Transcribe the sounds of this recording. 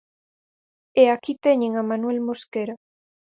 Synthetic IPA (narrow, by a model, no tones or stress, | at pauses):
eakit̪eɲeŋamanwelmoskeɾa